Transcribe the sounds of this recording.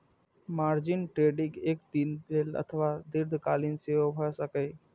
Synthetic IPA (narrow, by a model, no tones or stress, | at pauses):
maːɾd͡ʒɪnʈɾeːɖɪ̃ɡeːk̚d̪iːnd̪elə̰t̪ʰəʋad̪ɪɾd̪ʱkaːlɪnseobʱəsəkəj